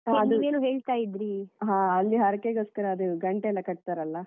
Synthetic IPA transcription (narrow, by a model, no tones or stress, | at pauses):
eɐd̪uiʋeːnuːɦe̞ːɭt̪aːjid̪ɾiɦãːɐlːiɦɐɾɐkeɡoskɐɾɐːd̪uɡɐɳʈeɛlːɐkɐʈ̚t̪aɾɐlːɐ